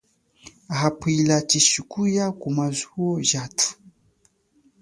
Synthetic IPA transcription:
aɦapilat͡ʃiʃukujakumazuɔʒatʰu̥

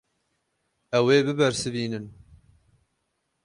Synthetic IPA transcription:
ɛweːbɨbæɾsɨviːnɨn

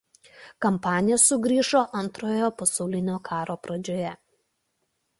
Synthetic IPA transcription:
kɐmpɑːnʲɪjɛsʊɡɾʲiːʃoːʔɐnˑt̪ɾoːjoːpɐsɐʊlʲɪnʲoːkʰɑːɾoːpɾɐd͡ʒʲoːjɛ

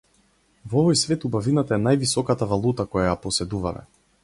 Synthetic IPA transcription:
vɔvɔjsvɛt̪ubavinat̪aɛnajvisɔkat̪avalˠut̪akɔjajapɔsɛd̪uvamɛ̰

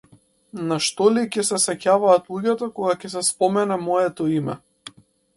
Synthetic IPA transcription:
naʃt̪ɔlicʲɛsɛsɛcavaːt̪lˠuɟat̪akɔɡakʲɛs̬ɛspɔmɛnɛmɔɛt̪ɔimɛ̰

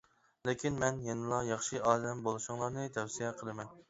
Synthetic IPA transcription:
lekʲinmɛnjenɨlˠɑjɑχʃɨɑːd̪ɛmbolˠɨʃʊŋlˠɑɾnɨt̪ʰɛwsijɛqʰəlˠɨmɛn

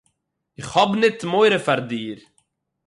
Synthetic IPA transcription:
ɪχhɔbnɪtmoɪɾəfaɾdiːɾ

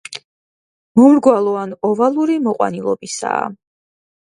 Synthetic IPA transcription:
mɔmɾɡwalˠɔanɔvalˠuɾimɔqʼwa̰nilˠɔbisa̰ː

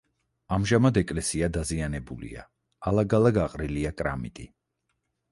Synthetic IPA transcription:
amʒamad̪ɛkʼlɛsiad̪azianɛbulḭa̰ | alˠaɡalˠaɡaqʼɾiliakʼɾa̰mit̪ʼi

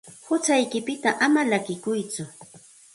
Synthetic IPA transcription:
hʊt͡sajkɪpɪt̪aʔamalakɪkʊjt͡sʊ

